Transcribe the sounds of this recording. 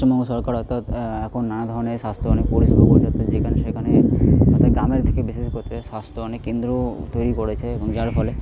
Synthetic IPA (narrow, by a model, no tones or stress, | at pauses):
omɔŋɡosɔɾkaɾɔt̪at̪ɛkʰonːanad̪ʱɔɾoneʃast̪ʰoɔnek̚poɽisbokoɾt̪ɔt̪ːat̪d͡ʑekʰaneʃekʰaneɔt̪ʰaɡɾameɾt̪ʰekebeseskot̪ʰeʃast̪ʰoɔnekːend̪ɾot̪ojɾikɔɾet͡ɕʰeːbɔŋd͡ʑaɾpʰɔle